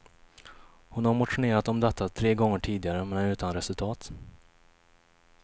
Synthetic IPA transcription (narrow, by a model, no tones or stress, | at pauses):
hʊnhaɾmʊt̪ɧʊneːɾat̪ɔmd̪ɛt̪ʰːat̪ʰɾeːɡɔŋːəʈʰiːd̪ɪɡaɾəmɛnʉ̟ːt̪anɾɛsɵlt̪ʰɑːt̪